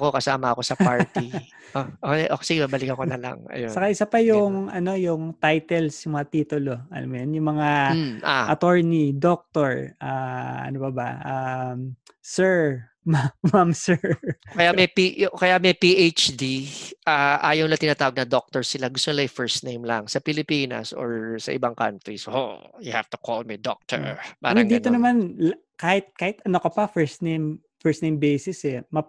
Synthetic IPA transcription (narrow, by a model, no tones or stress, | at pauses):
ko̞kɐsaːmɐɐko̞sɐpaɹt̪i | ʔoʔoʔosɪɡɪmabɐlɪkɐkonɐla̰ŋɐ̰josɐkaʔɪsapɐjʊŋʔɐno̞jʊŋt̪ajt̪ɛlsjʊŋmɐŋat̪iːt̪ʊlo̞ʔɐ̰la̰mːʊjonjʊŋmɐŋamʔa̰ʔɐt̪oɹnid̪ok̚t̪oɹʔaʔɐ̰nopɐbɐ̰ʔa | sɛɹ | mamamsɛɹkɐjamɛjpikɐjamɐjpiʔejt͡ʃd̪iʔaːʔaːjɐwnlɐt̪ɪnaːt̪aːwɐɡ̚nɐd̪ok̚t̪ɔɹsɪlaɡʊst̪onɪlafɛɹst̪nejmlɐŋsɐpɪlɪpiːnɐ̰so̰ɹsɐ̰ʔɪ̰baŋka̰nt̪ɾiso̰jʊhaft̪ʊ̥kʰolmid̪ɔ̰k̚t̪ʰɛ̰ɹpaːmɾɐd̪iːt̪onɐmanlkaːhɪt̪̚kaːhɪt̪ɐnokɐpɐfɛɹsnejm | fɛɹst̪nejmbɛsɪsɛmɐ